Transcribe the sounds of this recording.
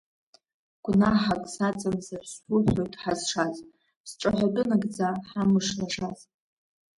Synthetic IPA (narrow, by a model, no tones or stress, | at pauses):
ɡ̥ʷnaħakʼsat͡sʼamzarsʷʊħʷojtʼħazʂaz | psʈ͡ʂʼaħʷadʼʊnaɡd͡zaħamɨʂlaʂaz